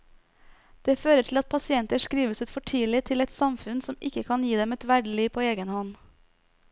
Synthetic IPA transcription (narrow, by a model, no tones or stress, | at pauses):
d̪̥eːføːɾəʈʰlɑt̪̚pʰɑsɪɛnt̪əʂkɾiːʋəsʉːt̪fɔʈʰiːlɪt̪ʰɪlɛt̪sɑmfʉnsɔmɪkəkʰɑnjiːd̪ɛmɛt̪ʋæɖəliːʋpʰoːeːɡənhɔn